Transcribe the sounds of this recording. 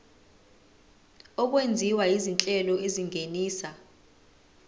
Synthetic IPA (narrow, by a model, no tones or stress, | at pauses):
ɔk̬wend͡zʱiwajizint͡ɬʼɛlɔeziŋʱeniːsa